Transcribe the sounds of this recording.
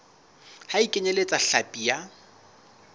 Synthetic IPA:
haikʼɪɲelet͡sʼaɬapʼija

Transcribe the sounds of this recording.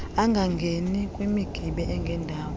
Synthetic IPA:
aŋɡʱaŋɡʱenikʼwimiɡ̥ʱiɓɛʔɛŋɡʱɛndʱaːwɔ

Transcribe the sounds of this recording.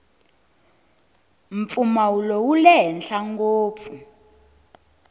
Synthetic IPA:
m̩p̪fumawulɔwulɛɦɛnɬaŋɡoːp̪fu

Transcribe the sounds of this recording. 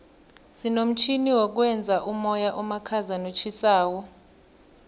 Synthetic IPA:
sinom̩t͡ʃʰiniwɔk̬wɛnd͡zʱaʔumɔjaʔumakʰazanot͡ʃʰisaːwɔ

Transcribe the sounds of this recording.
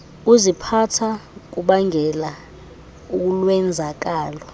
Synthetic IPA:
uzipʰatʰak̬uɓaŋɛla | uk̬ulwɛnd͡zʱak̬aːlɔ

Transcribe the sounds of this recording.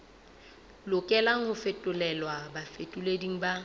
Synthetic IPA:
lʊkʼɛlaŋ̩hʊfetʼʊlɛlwabafetʼulediŋ̩ba

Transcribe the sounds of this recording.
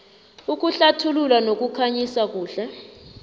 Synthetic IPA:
uk̬ʼuɬatʰululanok̬ʼukʰaɲisak̬uːɬɛ

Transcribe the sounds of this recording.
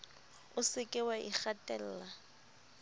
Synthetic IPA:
ʊsɪkʼɪwaʔḭk͡xatʼɛl̩ːla

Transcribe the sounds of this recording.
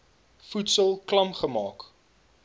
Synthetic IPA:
futsəlˠklɐmχəmɑːk

